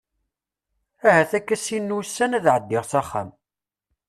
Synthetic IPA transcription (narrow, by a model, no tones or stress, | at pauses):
æhæθækːæsinːusːænæðʕəd̪ːɪʁsæχːa̰m